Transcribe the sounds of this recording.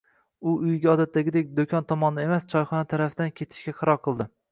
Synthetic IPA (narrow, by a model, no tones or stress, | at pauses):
ʊʊjɡʲaɒd̪at̪ʰːaɡʲɪd̪ek̚ʲd̪okʲʰɒnt̪ʰɒmɒnd̪anemast͡ʃʰɒjχɒnat̪ʰaɾafd̪ankʲʰe̞t̪ʰɪ̥ʃkʲaqʰɑɾɒɾqʰɨlˠd̪ɪ